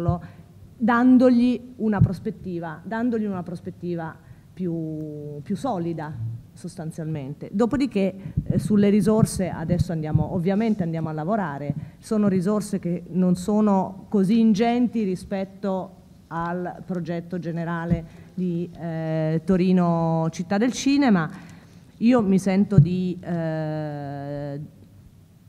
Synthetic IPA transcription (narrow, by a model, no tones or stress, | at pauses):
lo | d̪and̪oʎiunapɾospet̪ːiːvad̪and̪oʎiunapɾospet̪ːiːva | pjupjusːɔːlid̪asost̪ant̪sjalment̪ed̪oːpod̪ik̟ːesulːeɾizorseʔa̰d̪ɛsːoand̪jaːmoʔovːjament̪eand̪jaːmoalːavoɾaːɾesoːnoɾizorsekenonsoːnokoziːnd͡ʒɛnt̪iɾispɛt̪ːo | alpɾod͡ʒɛt̪ːod͡ʒeneɾaːled̪i | t̪oɾiːnot͡ʃit̪ːad̪ːelt͡ʃiːnema | iːomisɛnt̪od̪i